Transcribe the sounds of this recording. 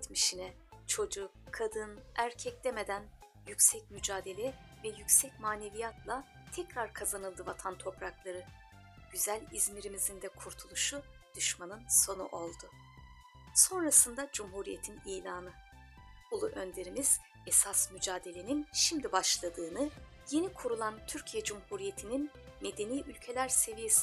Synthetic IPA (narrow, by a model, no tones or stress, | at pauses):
it̪miʃinɛ | t͡ʃʰo̞d͡ʒukʰad̪ɯnæɾcʰɛclɛme̞d̪æn | jycʲsɛc̚myd͡ʒaːd̪e̞lʲɛ | vɛjycsɛc̚maːne̞vijat̪lˠa | t̪ʰɛcɾaɾkʰazanɯlˠd̪ɯvat̪ʰant̪ʰo̞pɾaklˠaɾɯ | ɟ̥yzælʲizmiɾimizind̪ɛkʰuɾt̪ʰulˠuʃu | d̪̥yʃmanɯnso̞nṵʔo̞lˠd̪ʊ | so̞nɾasɯnd̪ad͡ʒumɦuːɾije̞t̪ʰinijlʲaːnɯ | bulˠuʔønd̪eɾimiz̥ | ɛsasmyd͡ʒaːd̪e̞lʲe̞ninʃimd̪ʲibaʃlˠad̪ɯːnɯ | je̞nikʰuɾulˠant̪ʰyɾcʰijɛd͡ʒumhuɾije̞t̪ʰinin | med̪e̞niːʔylʲcʰe̞lʲæɾse̞vije̞si